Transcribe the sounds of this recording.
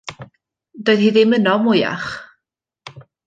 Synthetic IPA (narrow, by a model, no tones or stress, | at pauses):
d̥oːɨðhiːðɪmənɔmʊja̰χ